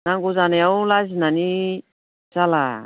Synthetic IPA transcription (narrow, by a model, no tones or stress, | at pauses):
naŋɡuzaneawlazinani | sala